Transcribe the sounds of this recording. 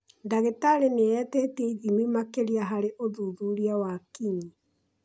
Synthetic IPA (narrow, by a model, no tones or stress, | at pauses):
ndaɣetaɾeneɛtɛtɛiðimwimakeɾiaɦaɾeʔoðuːðuːɾiawakiɲi